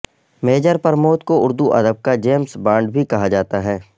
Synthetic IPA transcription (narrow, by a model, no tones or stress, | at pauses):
meːd͡ʒəɾpɐɾmoːt̪koʊɾd̪uʔɐ̰d̪əb̚kad͡ʒeːmsbãːɳɖbʱikɐɦad͡ʒaːt̪aɦɛː